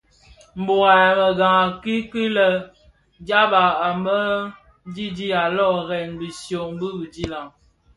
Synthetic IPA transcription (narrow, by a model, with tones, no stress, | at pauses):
m̩˨bo˨ɣa˨ɛ˨mə˨ɡa˨ŋa˨ki˦ki˦lə˨ | d͡ʒa˦ba˨a˨mə˦ | di˦di˦a˨lɔ˦˨ɣɛ˨nbi˨sjo˨m˦bi˦bi˨di˦la˨ŋ